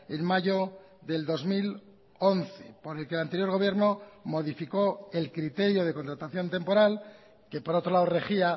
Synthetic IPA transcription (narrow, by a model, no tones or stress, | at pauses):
enmaʝo̞ | ðe̞ld̪o̞zmil | o̞nθe̞po̞ɾe̞lkelant̪e̞ɾjo̞ɾɣ̞o̞βje̞ɾno̞mo̞ðifiko̞e̞lkɾit̪e̞ɾjo̞ð̞e̞ko̞nt̪ɾat̪aθjo̞nt̪e̞mpo̞ɾal | ke̞poɾo̞t̪ɾo̞laore̞xia